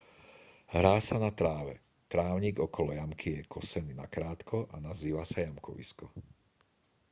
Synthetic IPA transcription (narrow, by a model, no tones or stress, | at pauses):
ɦɾaːsanat̪ɾaːʋɛ | t̪ɾaːʊɲiːɡɔkɔlɔjamkʰijɛkʰɔsɛninakɾaːt̪kʰɔʔanaziːʋasajamkʰɔ̰ʋḭskɔ